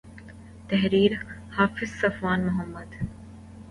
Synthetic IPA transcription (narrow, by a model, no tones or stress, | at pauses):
t̪ɛɦɾiːɾhaːfɪzsɐfʋaːnmʊɦəmːəd̪